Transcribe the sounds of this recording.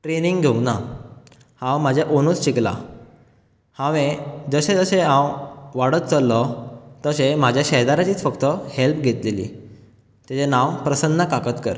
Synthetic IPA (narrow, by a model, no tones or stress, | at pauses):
ʈɾeniŋɡɡʱeŋɡna | hãwmad͡ʑʱjaʔonut͡sɕikla̰ | hãʋẽd͡zəɕẽd͡zəɕeɦãwʋaɽət̪t͡səlːɔt̪əɕem̤ad͡ʑʱjaɕɛɦd̪aɾat͡ɕiːt͡sfəkt̪əhelpɡʱet̪lelḭː | t̪at͡ɕenãwpɾəsənːəkakət̪kə̰ɾ